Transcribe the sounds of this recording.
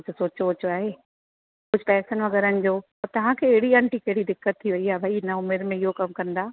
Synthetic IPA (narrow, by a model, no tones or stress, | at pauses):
ʊd͡ʑʱsoːt͡ɕoːt͡ɕoaːɦeː | kʊd͡ʑʱɪpɛːsənʋɐɣɛːɾənɪ̆d͡ʑoːɔːɾt̪ɐʋ̤ãkʰeːɦɪɽiɐ̃ɳʈikɐɦɪɽid̪ɪkːət̪ʰːiʋɐiaːbʱaːiɪnəʊmeɾmẽɪɦokɐmkɐ̃nd̪aː